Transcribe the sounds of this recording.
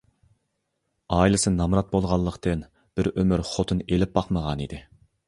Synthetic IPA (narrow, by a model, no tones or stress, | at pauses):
ɑːilˠɨsɨnɑmɾɑt̪̚bolˠʁɑlˠːəqt̪ɨn | b̥ɪɾømyɾχot̪ʰɨnelɪp̚bɑqməʁɑnid̪ɪ